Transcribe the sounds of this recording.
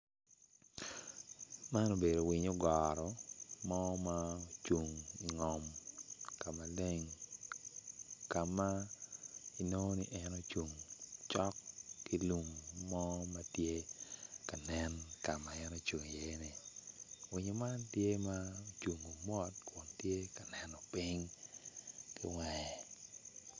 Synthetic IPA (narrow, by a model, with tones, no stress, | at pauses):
ma˦no˨be˨do˨wɪ˨ɲo˦ɡɔ˨ɾɔ˨mɔ˦ma˦˨t͡ʃu˨ŋi˨ŋɔ˨mka˨ma˨le˦ŋ | ka˨ma˦ | i˨no˦ni˦ʔɛ˦no˦t͡ʃu˨ŋt͡ʃɔ˦kːi˦lu˨ŋmɔ˦ma˦tje˦ka˨nɛ˦nka˨ma˨ɛ˦no˦t͡ʃu˨ŋi˨je˦ni˨ | wi˨ɲo˨ma˦ntje˦ma˦o˨t͡ʃu˨ŋo˨mɔ˦tku˨ntje˦ka˨nɛ˨nɔ˨pi˦ŋ | kḭ˦ŋwɛ˨ɛ˨